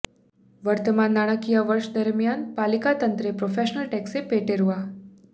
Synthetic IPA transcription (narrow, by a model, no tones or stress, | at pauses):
ʋəɾt̪əmanːaɽ̃əkijaʋəɾʂd̪əɾmjanpalikat̪ənt̪ɾepɾofeʃnəlʈeksepeʈeɾʋa